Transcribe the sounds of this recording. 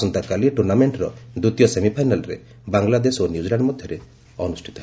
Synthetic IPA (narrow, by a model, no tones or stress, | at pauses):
sɔnt̪akaliʈuɾnameɳʈɾɔd̪ut̪ijɔsemipʰajnalɔɾḛ | baŋlad̪esonjud͡ʒilaɳɖmɔd̪ʱjɔɾe | ɔnusʈʰit̪ɔɦe